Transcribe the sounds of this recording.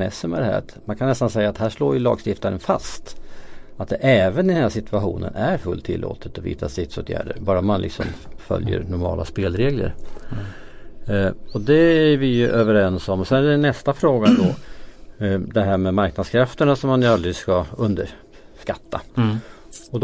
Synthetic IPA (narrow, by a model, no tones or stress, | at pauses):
ɛ̰sːəmɛd̪ɛhæ̰ːɾt̪mankʰanɛst̪ansɛjːat̪hæːʂloːɾjɵlɑ̰ːɡst̪ɪft̪aɾənfast̪ | at̪̚d̪ɛʔɛːvənɪd̪ənæːʂsɪt̪ʰʉaɧuːnə̰næɾfɵlt̪ʰːɪlːo̰ːt̪ʰət̪ɔvḭːt̪asɪt̪soːt̪ʰjæ̰ːɖəɾbɑːɾamanlɪ̰ksɔ̰mfœ̰ljə̰ɾnʊɾmɑ̰ːlaspeːlɾeːɡlə̰ɾ | ɔd̪ɛæɾvɪjɵʔøːvəɾɛnsɔmɔsɛnæɛnːɛst̪afɾoːɡad̪ɔ | d̪ɛɦæːɾmɛmaɾknad̪skʰɾaft̪əɳasɔmːanjəald̪ɾɪskaɵnd̪ə | ʂkat̪ːa | ɔd̪